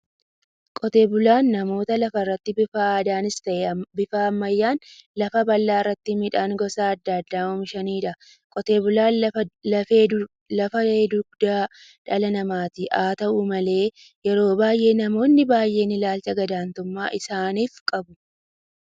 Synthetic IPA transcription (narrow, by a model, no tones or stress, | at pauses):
kʼɔt̪e̞ːbʊlaːnːɐmo̞ːt̪ɐlɐfɐrːɐt̪ːɪbɪfaːd̪aːnɪst̪ɐʔɛbɪfaːmːɐjːaːnlɐfɐbɐlːaːɪrːɐt̪ːɪmɪᶑaːŋɡɔsaːɐd̪ːaːd̪ːaːɔmʃɐniːᶑɐ | kʼɔt̪e̞ːbʊlaːlɐfeː | lɐfɐeːʊɡd̪aː | ᶑɐlɐnɐmaːt̪ɪʔaːt̪ɐʔumɐle̞ː | jɛɾo̞ːbaːjʔe̞ːnɐmo̞ːnːɪbaːjʔe̞ːnɪlaːlt͡ʃɐɡɐd̪aːnt̪ʊmːaːʔɪsaːniːfkʼɐbʊ